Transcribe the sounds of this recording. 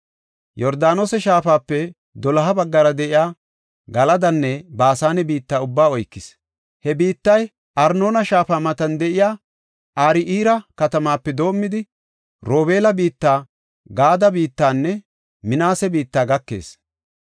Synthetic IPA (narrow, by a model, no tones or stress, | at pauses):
jɔɾd̪aːnoːsɛʃaːfaːpːɛ | d̪ɔlɐɦɐbɐɡːɐɾɐd̪ɛʔɪjaː | ɡɐlɐd̪ɐnːɛbaːsaːnɛbiːt̪ːaːʊbːaːɔjkːɪs | hɛbiːt̪ːɐj | ʔɐɾno̞ːnɐʃaːfaːmɐt̪ɐnd̪ɛʔɪjaː | ʔaːɾɪʔiːɾɐkɐt̪ɐmaːpːɛd̪o̞ːmːɪd̪ɪ | ɾoːbe̞ːlɐbiːt̪ːaː | ɡaːd̪ɐbiːt̪ːaːnːɛ | mɪnaːsɛbiːt̪ːaːɡɐkːe̞̰ːs